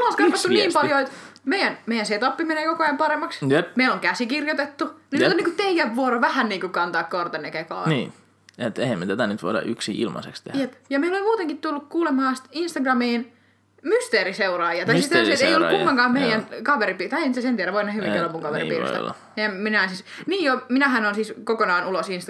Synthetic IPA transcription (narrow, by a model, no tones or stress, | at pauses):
lɑˑskɑpɑt̪ːuniːmpɑljoet̪meijænmejænseːˑt̪ɑpːimeneːkokoɑjɑmpɑɾemːɑksjpmeiloŋkæsikirjot̪et̪ːuniet̪onːiːŋkut̪eijæʋʋuoɾoʋæhænniːŋkukɑnt̪ɑːkkort̪ɑnːekeko̰ːniː | et̪ehæmːet̪æt̪ænyt̪ʋo̰iɾɑ̰ʔyksiʔḭlmɑ̰sḛkst̪ehjjepjɑmeilolemmuːt̪eŋkit̪t̪ulːukkuːlemɑːst̪inst̪ɑɡrɑmiːn | myst̪eːriseurɑːjɑt̪ɑisist̪esieijolːkkuŋːkɑŋkɑːmeijˑænkɑʋeɾipiːt̪ɑienisæsent̪iæɾæʋoˑinehyʋinelomuŋkɑʋḛɾḭḭːrḭsɑ̰lːɑ̰ | meæmminɑˑinsisniːjominæhænonsiːˑskokonɑːnulosinst̪